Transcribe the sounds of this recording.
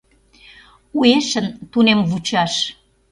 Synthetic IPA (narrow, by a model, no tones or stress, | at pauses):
ueʃənt̪unemβut͡ɕɑʃ